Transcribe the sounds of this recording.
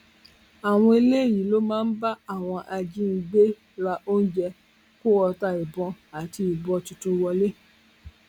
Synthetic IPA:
a˨w̃ɔ̃˧e˧le˦˨jĩ˨˦lo˦mãː˦˧n̩˦ba˦a˦˨w̃ɔ̃˧ʔa˧d͡ʒi˦n̩˧ɡ͡be˦ | ɾa˧ʔo˦n̩˦d͡ʒɛ˧ | ko˦ɔ˧ta˦i˨bɔ̃˧a˨ti˧i˨bɔ̃˨˧tu˧tũ˧wɔ˧le˦

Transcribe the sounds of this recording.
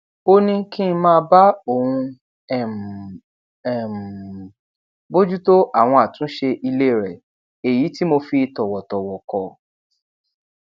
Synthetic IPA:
o˧nĩ˧kĩ˦˧mãː˦˧ba˦o˦˨hũ˧ | ɛ˨m | ɛ˨m˨ | bo˦d͡ʒu˦to˦ʔa˦˨w̃ɔ̃˧a˨tũ˨˦ʃe˧ʔi˧le˦˨ɾɛ˨ | e˨ji˨˦ti˦mo˧fi˧tɔ˨wɔ˨tɔ˨wɔ˨kɔ˨

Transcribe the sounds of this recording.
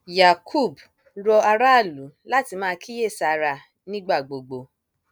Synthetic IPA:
ja˨kʰu˦˨b | ɾɔ˧a˧ɾa˦˨lu˨˦la˦ti˧mãː˦˧kʰi˦je˦˨sa˨ɾa˧ | nĩ˦ɡ͡ba˦˨ɡ͡bo˨ɡ͡bo˧

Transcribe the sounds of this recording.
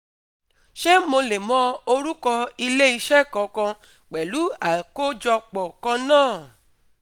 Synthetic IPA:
ʃe˦mo˧le˨mɔ̃˦o˧ɾu˦kɔ˧i˧le˦i˧ʃɛ˦˨kɔ̃˨˦kã˧ | k͡pɛ˨lu˨˦a˨ko˦d͡ʒɔ˧k͡pɔ˨kã˧nãː˦˨

